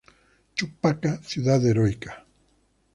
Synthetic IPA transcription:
t͡ʃʊpakasjʊd̪ad̪eɾojkḁ

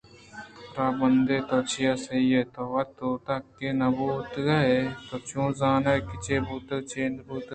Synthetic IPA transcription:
ɾaːbɐnd̪et̪oːt͡ʃijasɐiet̪oːʋɐt̪ot̪ɐkːenɐbuːt̪ɡɐet̪oːt͡ʃũːzaːnekɪt͡ʃebuːt̪t͡ʃeːnbuːt̪

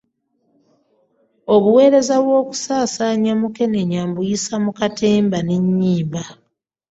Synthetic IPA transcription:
o̞βuwe̞ːɾe̞zaβwo̞ːku̥saːsaːɲamuke̞neɲambujisamukatʰe̞ːmbaneɲːiːmba

